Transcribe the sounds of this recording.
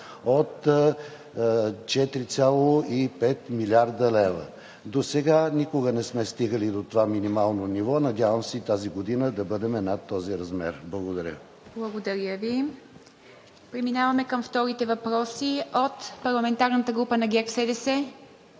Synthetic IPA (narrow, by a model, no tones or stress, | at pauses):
ot̪ | t͡ʃɛt̪ɾit̪sʲjalˠoipɛt̪milʲaɾd̪əlɛvə̰ | d̪osɛɡanʲikoɡənɛsmɛst̪iɡəlid̪ot̪ovaminimalˠnonivɔnɐd̪ʲjavəmsɛit̪aziɡod̪inəd̪ɐbəd̪ɛmɛnat̪ːɔziɾɐzmɛɾblˠɐɡod̪ɐɾʲə̰ | b̥lˠɐɡod̪ɐɾʲjəvi | pɾɛminavɐmɛkəmft̪ɔɾit̪ɛvɐpɾɔsiot̪pɐɾlˠɐmɛnt̪aɾnət̪əɡɾupənɐɡʲɛksɛd̪ɛsɛ